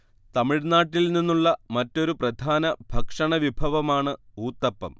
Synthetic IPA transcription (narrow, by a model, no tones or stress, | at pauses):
t̪ɐmiɻnaːʈːilninːuɭːɐmɐtːo̞ɾuprɐd̪ʱaːnɐbʱɐkʂɐɳɐʋibʱɐʋɐmaːɳɨuːt̪ːɐpːɐm